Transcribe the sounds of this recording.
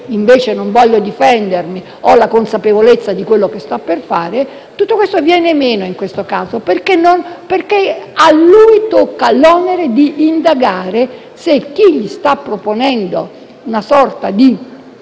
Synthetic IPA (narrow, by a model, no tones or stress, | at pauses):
iɱveːt͡ʃenoɱvɔʎːod̪ifɛnd̪ermi | ɔlakonsapevolet̪sːad̪ikwelːokest̪apːerfaːɾe | t̪ut̪ːokwest̪ovjɛːnemeːnoiŋkwest̪okaːzoperkenːonperkealːuːjt̪okːalɔːneɾed̪iʔːnd̪aɡaːɾe | sek̟ːiʎːist̪apːɾoponɛnd̪o | unasɔrt̪ad̪i